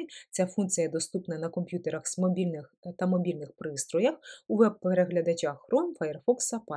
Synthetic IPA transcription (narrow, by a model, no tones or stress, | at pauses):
t͡sʲafunt̪sijɐd̪ɔst̪upnɐnɐkɔmpʲjut̪eɾɐxsmɔbʲilʲnɪxt̪ɐmɔbʲilʲnɪxpɾɪst̪ɾɔjɐxuʋɛb̚peɾeɦlʲɐd̪ɐt͡ʃʲaxɾɔmfɐjɛrfɔksɐpɑ